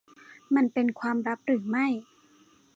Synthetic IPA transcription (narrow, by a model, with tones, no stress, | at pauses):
ma˧npe˧nkʰwaː˧mɾa˦˥p̚ɾɯː˩˦ma˥˩j